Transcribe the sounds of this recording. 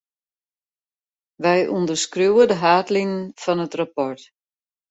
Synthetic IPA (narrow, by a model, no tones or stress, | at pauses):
ʋɛjʔundərskruwədəɦaːtlinənfɔnətrapɔrt